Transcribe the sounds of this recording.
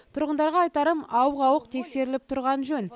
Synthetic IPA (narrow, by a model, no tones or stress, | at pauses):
t̪ʰʊɾʁənd̪ɑɾʁɑːjt̪ɑɾəmɑwʁɑwəq̚t̪ʰe̞kse̞ɾɪlɪp̚t̪ʰʊɾʁɑnʒɵn